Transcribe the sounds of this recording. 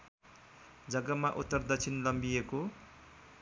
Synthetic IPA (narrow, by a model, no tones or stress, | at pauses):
d͡zʌɡʌmaʔut̪ːʌrd̪ʌt͡sʰinlʌmbijeko